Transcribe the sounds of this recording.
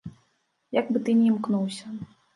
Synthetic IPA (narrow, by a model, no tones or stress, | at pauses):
jaɡbɨt̪ɨnʲimknuwsʲɐ